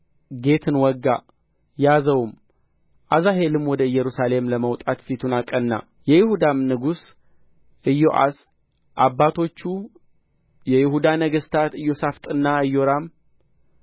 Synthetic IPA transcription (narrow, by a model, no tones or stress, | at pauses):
ɡe̞t̪ʰɨnwɔɡːa | jazəwm | ʔazaɦe̞lɨmwɔd̪əɨjːɛɾusale̞mləməwt̪ʼat̪fit̪ʰunakʼənːa̰ | jɛjɪhud̪amnɨɡus | ʔɨjːoʔa̰s | ʔabːat̪ʰo̞t͡ʃːu | jɛjɪhud̪anəɡəst̪ʰat̪ɨjːo̞saft̪ʼɨnːaɨjːoɾam